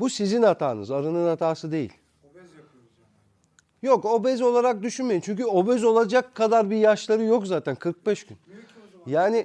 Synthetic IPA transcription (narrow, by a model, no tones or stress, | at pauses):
busizinat̪ʰa̰ːnɯ̰zaɾɯnɯnat̪ʰaːsɯd̪e̞jḭlʲ | jo̞ko̞bɛzo̞lˠaɾak̚d̪yʃynme̞jimt͡ʃʰyɲcyo̞bɛzo̞lˠad͡ʒakʰːad̪aɾbijaʃlˠaɾɯjo̞kzaːt̪ʰænkʰɯɾk̚bɛʃɟ̥y̰n | jaːni